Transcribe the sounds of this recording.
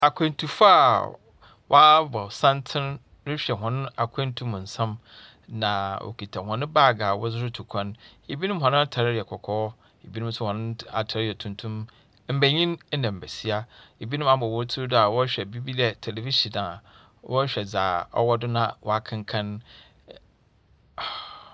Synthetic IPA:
a˨kʰɛ̃˨n˦tʰu˨fa˦˨ | wʔɔ˦bɔ˨sã˦ntʰɪ̃˦n | dɪ˦ɕᶣɛ˨ɦɔ̃˨nʊ̃˦a˨kʷʰɛ̃˦n˦tʰũ˦mʊ̃˨n̩˨sã˦m | nã˨wʔo̰˨kʰi˨tʰa˨hɔ̃˨nʊ̃˦baː˦˨ɡaː˨wɔ̰˦zʊ˦ɾʊ˦tʰu˨kʰã˦ne˨bi˦nʊ̃˦m˦ɦɔ̃˨nʊ̃˦a˦tʰa˨ɾɪ˦ɾɪ˨ɛ˨kʰɔ˨kʰɔː˦ | e˨bi˦nũ˦m˦sʰʊ˦hɔ̃˨nʊ̃˦a̰˨tʰa˨ɾɪ˦ɪ˨ɛ˨tʰũ˦ntʰũ˦m | m̩˦bæ˨ɲĩ˦n˦nã˨m̩˨bæ˨si˦a˦e˨bi˦nʊ̃˦m˦a˦bɔ˨wɔ˦tʰu˦da˨wɔ˦ɕᶣɛ˨bi˦bi˦dɛ˦tʰe˨le˨vi˦ʃi˨dã˨ | wɔ˦ɕᶣɛ˨d͡zaː˨ɔ̰˦wɔ˦dʊ˦nã̰˦wa˦kʰɪ̃˦ŋkʰã˦n˨

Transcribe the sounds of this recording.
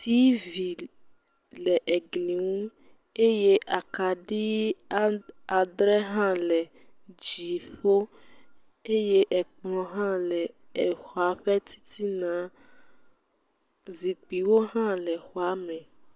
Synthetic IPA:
t̪i˦vi˨ | lɛ˨ʔe˨ɡlĩ˨ŋũ˦ | e˦je˦ʔa˨ka˨ɖi˦ | a˨d̪ɾɛ˦ɦã˦lɛ˨ | d͡ʒi˨ɸo˦ | e˦je˦ʔɛ˨k͡plɔ̃˨ɦã˦lɛ˨xɔ˨a˨ɸɛ˦t̪i̥˦t̪ʰi˦nã˨˦ | zi˨k͡pi˨wo˦ɦã˦lɛ˨xɔ˨a˨˦mɛ̃˨

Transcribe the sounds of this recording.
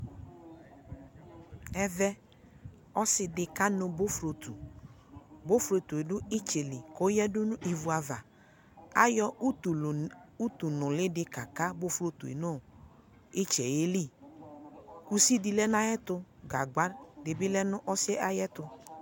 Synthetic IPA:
ɛ˦vɛ˦ | ɔ˦sɪ˨dɪ˨ka˦nʊ˨bo˦fɾo˨t̪u˨ | bo˦fɾo˧t̪u˨e˨dʊ˦ɪ˦t͡ʃe˨lɪ˨ko˨˦jɛ˦dʊ˦nʊ˦i˨vu˨˦a˨va˨ | a˦jɔ˦˨u˦t̪u˨nʊ̃˨lɪ˦dɪ˦ka˨ka˦bo˦fɾo˨˦tu˨ḛ˨no˦˨ | ɪ˦t͡ʃɛ˨je˦li˦˨ | ku˦si˦di˨lɛ˦n˦a˦jɛ˦tʊ˧ | ɡa˨ɡ͡ba˦dɪ˨bɪ˦lɛ˦nʊ̃˦ʔɔ˦sɛ˦a˨jɛ˦tʊ˧

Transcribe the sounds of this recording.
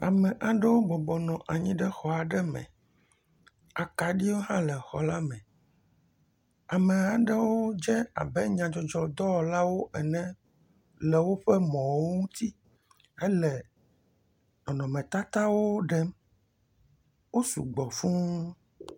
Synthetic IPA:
a̰˨mɛ̃˨ʔa˨ɖɛ˦wo˦bɔ˨bɔ˨nɔ̃˨ʔa˨ɲĩ˦ɖɛ˦xɔ˨a˨ɖɛ˦mɛ̰̃˨ | a˨ka˨ɖi˦wo˦ɦã˦lɛ˨xɔ̰˨la˦mɛ̃˨ | a˨mɛ̃˨a˨ɖɛ˦wo˦d͡ʒɛ˦a̰˨bɛ˦ɲã˨d͡ʒɔ˨d͡ʒɔ˨d̪ɔ˦˨la˦wo˦ʔɛ˨nɛ̃˦ | lɛ˨wo˦ɸɛ˦mɔ̃˨wwo˦ŋũ˦t̪i˦ | ɛ˦lɛ˨ | nɔ̃˨nɔ̃˨mɛ̃˨t̪a˦t̪a˦wo˦ɖɛ˦m | wo˦sṵ˨ɡ͡bɔ˨fũ˦

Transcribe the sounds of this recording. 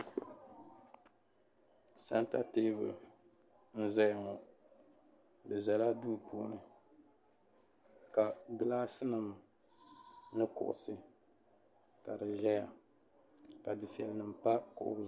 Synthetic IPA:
sa̰˦nta˦teː˦bɨ̰˨ | n̩˦zɛ˦jŋɔ˨ | dɨ˨za˨la˦duː˦pʰṵ˦˨˦nɨ˨ | ka˨ɡɨ˨laː˦sɨ˦nɨ˨m˨ | nɨ˦kʊ̰˨ʔʊ̰˨sɨ˦ | ka˨dɨ˨ʒɛ˦ja˨ | ka˨dɨ˨fi˨ɛ˨lnɨ˨m˨pa˦kʊ̰˨ʔʊ̰˦

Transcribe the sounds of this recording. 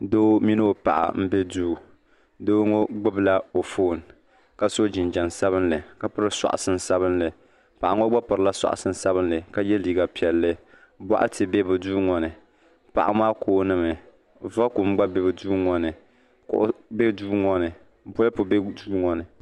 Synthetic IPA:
do˦mi˦no˦o˦pa̰˨ʔa̰˨m̩˦bɛ˦duː˦˨ | do˦ŋɔ˦ɡ͡bɨ˦bla˦o˨foː˦˨n | ka˦so˦d͡ʒɪ˨n˨d͡ʒa˨nsa˦βɨ˦nlɨ˨ka˦pɨ˦ɾɨ˦sa̰˨ʔa̰˨sɨ˦n˨sa˦βɨ˦nlɨ˨ | pa˨ʔa˨ŋɔ˦ɡ͡ba˦pɨ˨ɾɨ˨la˦sa̰˨ʔa̰˨sɨ˦n˦sa˦bɨ˦nlɨ˨ka˦jɛ˦liː˨ɡa˨pi˨ɛ˨lːɨ˦ | bwa̰˦ʔa̰˦tʰɨ˨bɛ˦bɨ˨duː˦ŋɔ˨nɨ˨ | pa̰˨ʔa̰˨maː˦koː˨˦nɨ˦mɨ˨ | va˦ku˨m˦ɡ͡ba˦bɛ˦bɨ˨duː˦ŋɔ˦nɨ˨ | kʊ̰˨ʔʊ̰˦be˦duː˦ŋɔ˦nɨ˨ | bʊ˦lɨ˦pʊ˨be˦duː˦ŋɔ˨nɨ˨

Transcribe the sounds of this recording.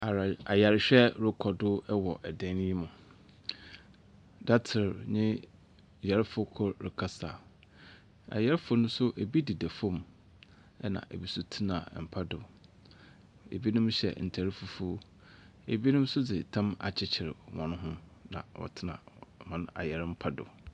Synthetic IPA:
a˨a˨ja˨ɾɪ˨ɕᶣɛ˦ɾʊ˦kʰɔ˨dʊ˦ɛ˦wɔ˨ʔɛ˨dɛ̃˦n˦ji˦mʊ̃˨ | da˦tʰɪ˨ɾɲɪ̃˦ | ja˨ɾɪ˦fʊ˦kʰɔ˦ɾɪ˨kʰa˦sa̰ː˨ | a̰˨ja˦ɾɪ˦fʊ˦nʊ̃˦sʊ˦ʔe˨bi˦di˨dæ˨fõ˦˨m | ɛ˦nã̰˨ʔḛ˨bi˦sʊ˦tʰɪ˦nã̰˨m̩˨pʰa˦dʊ˨ | ḛ˨bi˦nʊ̃˦mɕɛ̰˨n̩˨tʰæ˨ɾɪ˦fu˦fu˦ | ḛ˨bi˦nʊ̃˦m˦sʊ˦d͡zɪ˨tʰã˦ma̰˨t͡ɕʰɪ˦t͡ɕʰɪ˨ɾɪ˨wɔ̰̃˨nʊ̃˦ɦʊ̃˦ | nã̰˨ɔ̰˨tʰɪ˦nã̰˨mã˦n˦a̰˨jɛ˨ɾɪ˦m̩˦pʰa˦dʊ̰˨

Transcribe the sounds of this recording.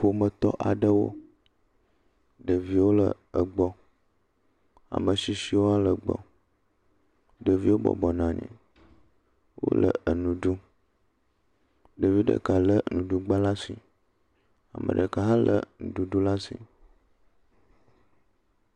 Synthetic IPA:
fo˨mə˨t̪ɔ˦ʔa˨ɖə˦wo̰˦ | ɖə˨vi˦wo˦lə˨ | ə˨ɡ͡bɔ˦ | a̰˨mə˨ʃi˦ʃi˦wo˦a˦lə˨ɡ͡bɔ̰˨ | ɖə˨vi˦wo˦bɔ̰˨bɔ˨nã˨ɲḭ̃˨ | wo̰˦lə̰˨ə˨nũ˨ɖu˦ | ɖə˨vi˦ɖə̰˨ka˨lə˦nũ˨ɖu˦ɡ͡ba˦la˦si˨ | a˨mə̰̃˨ɖə˨ka˨ɦa˦lʔə̰˦˨nũ˨ɖu˨ɖu˦la˦sḭ˨

